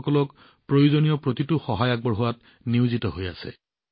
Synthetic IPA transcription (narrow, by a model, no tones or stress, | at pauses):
kɔlɔk | pɹojuzonijɔpɹotitʊxɔɦajaɡ̚bɔɹɦuwat | niʊzitɔɦojasɛ̰